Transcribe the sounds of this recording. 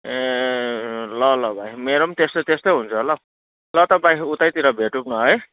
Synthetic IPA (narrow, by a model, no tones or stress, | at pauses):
e | lʌlʌbʱaĩmeɾʌmt̪est̪ot̪est̪ojɦunt͡sʰulʌ | lʌt̪ʌbaĩut̪ajt̪iɾʌbʱeʈupnʌɦʌj